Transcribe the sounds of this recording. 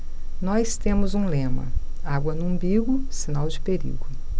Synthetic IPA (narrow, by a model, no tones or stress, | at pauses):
nɔst̪ẽmʊzũlẽmɐ̰ | aɡwɐnũbiɡʊsinawd͡ʒɪpeɾḭɡʊ